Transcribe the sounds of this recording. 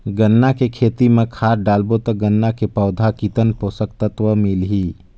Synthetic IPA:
ɡənːakekʰeːt̪imẽkʰaːɾɖaːlbot̪əɡənːakepəʊd̪ʱakit̪ənpoːsəkt̪ət̪ʋəmɪlɦiː

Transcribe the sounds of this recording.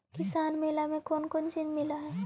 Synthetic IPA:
kɪsaːnmeːlamẽkoːnkont͡ʃɪnmɪlaɦɛː

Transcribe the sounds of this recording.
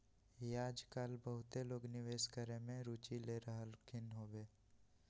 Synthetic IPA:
jaːd͡ʒkaːlbəɦʊt̪eloːɡnɪʋeːskəɾẽmẽɾuːt͡ʃileɾəɦəlkʰɪnɦoːʋeː

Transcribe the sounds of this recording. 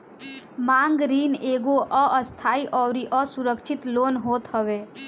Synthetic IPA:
mãŋɡɾiːneɡoʔəʔəst̪ʰaiʔɔʋɾiʔəsuɾəkʃʰit̪loːnɦoːt̪ɦəʋe

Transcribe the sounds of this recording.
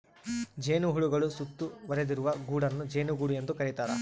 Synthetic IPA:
d͡ʒe̞ːnuɦuɭuɡɐɭusut̪ːuʋɐɾed̪iɾuʋɐɡuːɽɐnːud͡ʒe̞ːnuɡuːɽuje̞nd̪ukɐɾit̪aːɾɐ̰

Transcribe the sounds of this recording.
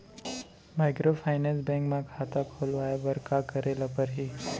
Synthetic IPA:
majkɾofʰajnẽnsbɛ̃ŋkmãkʰat̪akʰolʋajabəɾkakəɾelapəɾɦi

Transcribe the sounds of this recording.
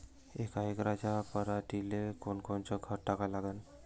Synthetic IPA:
ekaekɾad͡ʑapəɾaʈilekonkont͡ɕɔɡʱəɾʈakalaɡan

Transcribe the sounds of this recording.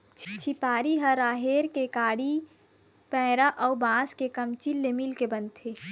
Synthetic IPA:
t͡ʃʰt͡ʃʰipaːɾiɦəɾaːɦeːɾkekaːɽi | pɛ̃ːɾaʔɔːbãːskekəmt͡ʃilːemilkebə̃nt̪ʰːeː

